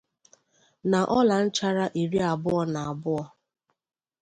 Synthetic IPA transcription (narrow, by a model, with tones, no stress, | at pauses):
na˨ʔɔ˦la˨n̩˦t͡ʃa˦ɾa˦ʔi˨ɾi˦a˨bʊ˦ɔ˦na˨a˨bʊ˦ɔ˦